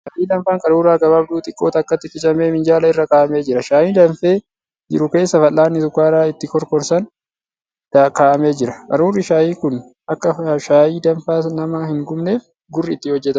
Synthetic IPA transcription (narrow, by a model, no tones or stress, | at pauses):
ʃaːʔiːd̪ɐmfaːŋkʼɐɾuːɾaːɡɐbaːbd̪uːt̪ʼɪkʼːo̞ːt̪ɐːkːɐt̪ːɪt̪ːɪt͡ʃʼɐmeːmɪnd͡ʒaːlɐɪrːɐkaːʔɐme̞ːd͡ʒɪɾɐʃaːjiːd̪ɐmfe̞ː | d͡ʒɪ̰ɾʊke̞ːsːɐfɐlːaːnːɪt̪ʊkːaːɾaːɪt̪ːɪkɔɾkɔɾsɐn | d̪ɐkaːʔɐme̞ːd͡ʒɪɾɐ̥kʼɐɾuːrːɪʃaːjiːkʊn | ɐkːɐʃaːjiːd̪ɐnfaːnɐmɐhɪŋɡʊmne̞ːf | ɡʊrːɪːt̪ːɪhɔd͡ʒːɛt̪ɐ